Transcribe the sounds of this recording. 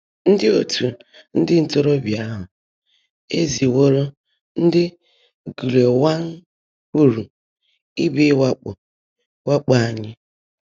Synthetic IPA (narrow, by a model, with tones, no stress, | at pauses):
n̩˦dɪ˦o˨tu˨ | n̩˦dɪ˦n̩˨to˦ɾo˦bja˦ɦʊ˨ | e˦zi˨wo˦ɾo˦ | n̩˦dɪ˦ | ɡu˨le˨wa˦ŋ̩˦ | k͡pu˨ɾu˨ | i˦bi˦wa˦k͡pʊ˨ | wa˦k͡pa˨a˨ɲɪ˦